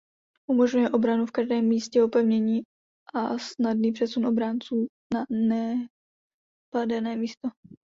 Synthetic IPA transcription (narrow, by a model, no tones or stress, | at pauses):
ʔumoʒɲujɛʔo̞bɾanufkaʒdɛːmːiːscɛopɛvɲɛɲiː | ʔasnadniːpr̥ɛsunʔo̞bɾant͡suː | nanɛ | padɛnɛːmiːst̪o